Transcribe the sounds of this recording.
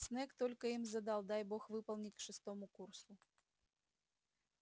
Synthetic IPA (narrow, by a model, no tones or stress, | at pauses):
snɛkt̪ɔlʲkəimzɐd̪ɑlˠd̪ajbɔxvɨpɐlˠnʲit͡sʲkʂɨst̪ɔmukursu